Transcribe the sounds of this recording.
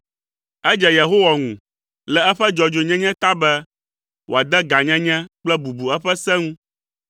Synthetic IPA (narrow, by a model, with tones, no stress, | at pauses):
ɛ˦d͡ʒɛ˨jɛ˨ɦo˦wa˨ŋũ˨ | lɛ˨ɛ˦ɸɛ˦d͡ʒɔ˨d͡ʒo˨ɲɛ̃˦ɲɛ̃˦t̪a˦bɛ˦ | wo˨a˨d̪ɛ˦ɡa˨ɲɛ̃˦ɲɛ̃˦k͡plɛ˦bu˨bu˨ɛ˦ɸɛ˦sɛ̃˦ŋũ˦